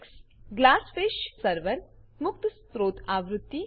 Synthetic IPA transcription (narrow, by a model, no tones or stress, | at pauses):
ksɡlaːsfeʃsəɾʋəɾmʊkt̪st̪ɾoːt̪aʋɾut̪ːi